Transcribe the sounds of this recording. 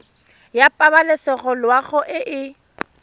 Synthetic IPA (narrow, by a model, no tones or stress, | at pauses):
japʼabalɪsɪɣɔlwaɣʊʔɪʔɪ